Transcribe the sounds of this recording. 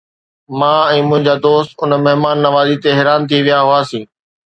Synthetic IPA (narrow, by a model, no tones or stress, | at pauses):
mãːɛ̃ːmʊ̃ɦɪ̃ɲd͡ʑaːd̪oːst̪ʊnmeɦmaːnːɐʋaːzit̪eɦeɾaːnt̪ʰiʋijaɦʊaːsĩː